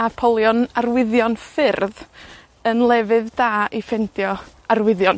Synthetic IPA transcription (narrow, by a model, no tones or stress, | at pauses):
apʰɔlˠjɔnarwɪðjɔnfɪrð | ənlˠɛvɨðdaːʔifɛndjɔ | arwɪðjɔn